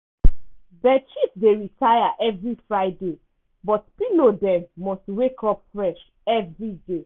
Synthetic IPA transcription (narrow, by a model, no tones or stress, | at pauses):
ðɛt͡ʃifdeɹitʰajaʔɛvɹifɹaɪde | bɔtpilodɛ̃mːɔstwekʰɔp̚fɹɛʃ | ɛvɹide